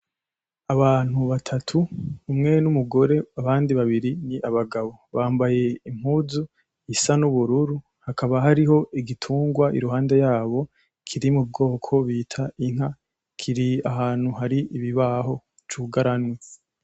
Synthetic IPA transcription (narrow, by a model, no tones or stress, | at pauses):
aβaːn̥huβatʰatʰuːmŋe̞numuɡo̞ɾe̞aβaːndiβaβiɾiniʔaβaɡaβo̞βaːmbaje̞im̥huzu | isanuβuɾuɾu | hakʰaβaɦaɾiho̞ʔiɡitʰuːŋɡwaʔḭɾuɦaːnde̞jaːβo̞ | kʰiɾimub̚ɡo̞ːkʰo̞βiːtʰaiŋ̥ha | kʰiɾiaɦaːn̥huɦaɾiʔiβiβaɦo̞ | t͡ʃuɡaɾanwe